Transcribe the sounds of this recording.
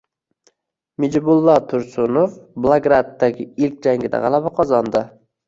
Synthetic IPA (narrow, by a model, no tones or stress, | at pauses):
mɪd͡ʒbʊlˠːɒt̪ʰʊɾsʊnofblˠaɡɾat̪ːaɡʲɪɪlkʲd͡ʒaŋɡʲɪd̪a̰ʁɑ̰lˠabaqʰɒzɒnd̪ɪ